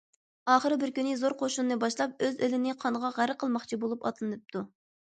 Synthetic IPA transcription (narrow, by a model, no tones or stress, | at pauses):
ɑːχəɾɨbɪɾkʲynɪzoɾqʰoʃunːɨbɑʃlˠɑp̚øzølɪnɪqʰɑnəʁɑʁæɾqʰəlˠmɑχt͡ʃʰibolˠupɑ̰t̪ʰlˠɨnɨp̚t̪ʰu